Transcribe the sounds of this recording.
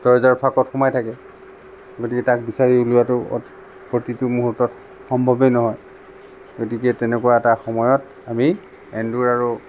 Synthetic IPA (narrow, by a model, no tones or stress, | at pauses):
dɔɹzaɹpʰakɔtxɔmajtʰakɛ | ɡotikɛtak̚bisaɹiulʊjatʊ̰ | pɹotitʊmuɦuɹtɔt | xɔmbʱɔbɛnɔɦɔj | ɡotikɛtɛnɛkuwaɛtaxɔmɔjɔt | ami | ɛnduɹaɹu